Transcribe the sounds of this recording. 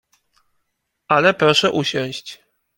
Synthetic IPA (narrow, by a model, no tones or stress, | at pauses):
ʔalɛpɾɔʂɛʔuɕɔ̃w̃ɕt͡ɕ